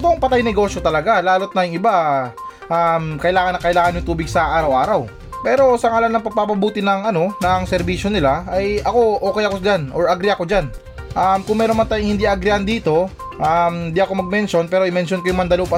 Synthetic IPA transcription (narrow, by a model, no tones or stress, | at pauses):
t̪oɐŋpɐt̪ajnɛɡo̞ːsjo̞t̪ɐlɐɡalaːlo̞t̪̚nɐjʊŋɪba | ʔamkɐʔɪlaːŋɐnːɐŋkɐʔɪlaːŋɐnjʊŋt̪uːbɪɡsɐʔaːɾɐwʔaːɾɐw | pɛːɾo̞sɐŋalɐnːɐŋpɐɡ̚papɐbuːt̪ɪnɐŋʔɐno̞nɐŋsɛɾbiːʃo̞nɪlaɐjɐko̞ʔo̞ːkɛjɐko̞d͡ʒanʔoɹʔɐɡɾɪɐko̞d͡ʒan | ʔamkʊŋmɛːɾo̞nmɐnt̪aːjŋhɪnd̪iʔɐɡɾɪʔɐnd̪iːt̪o̞ | ʔamɪnd̪iʔɐko̞mɐɡ̚mɛnʃo̞npɛːɾoɪmɛnʃonkojʊŋmɐnd̪ɐlopɐ